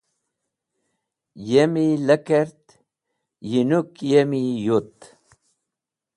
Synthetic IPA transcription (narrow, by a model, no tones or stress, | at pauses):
jemiləkeɾt̪ | jinukjemijut̪